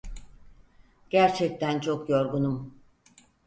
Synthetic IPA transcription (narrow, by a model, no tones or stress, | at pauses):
ɟ̥æɾt͡ʃʰɛc̚t̪ʰænt͡ʃʰo̞kjoɾɡunum